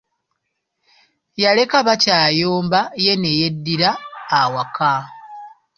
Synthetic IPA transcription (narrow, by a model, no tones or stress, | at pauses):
jale̞kaβacaːjoːmbaje̞ne̞je̞dːiɾaːwaka